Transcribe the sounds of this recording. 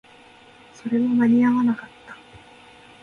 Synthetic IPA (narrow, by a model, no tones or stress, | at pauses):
so̞ɾe̞βanaɲ̟ʲiaβanakat̪ːḁ